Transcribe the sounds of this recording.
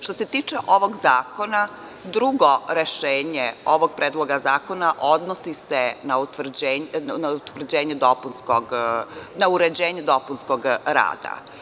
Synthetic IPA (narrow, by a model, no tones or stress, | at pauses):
ʃt̪o̞set̪iːt͡ʂeʔo̞ʋo̞ɡzaːko̞na | d̪ɾuɡoɾeʃeːɲeoʋoɡ̚pɾeːd̪lˠoɡazaːko̞naʔo̞d̪nosisenaut̪ʋr̩d͡ʑenaut̪ʋr̩d͡ʑeːɲed̪opunskoɡnauɾed͡ʑeːɲed̪o̞punskoɡɾa̰ːd̪a̰